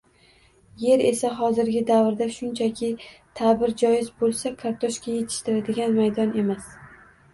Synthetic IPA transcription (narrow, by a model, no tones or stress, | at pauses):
je̞ɾe̞saɦɒzɪɾɡʲɪd̪avɾd̪aʃʊnt͡ʃʰakʲʰɪt̪ʰabɪɾd͡ʒɒjɪzbolˠsakʰaɾt̪ʰoʃkʲaje̞t̪ʰɪ̥ʃt̪ɪɾad̪ɪɡʲanmajd̪ɒne̞mas